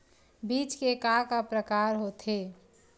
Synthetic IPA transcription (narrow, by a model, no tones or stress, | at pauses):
biːt͡ʃkekakapɾəkaːɾɦot̪ʰɦe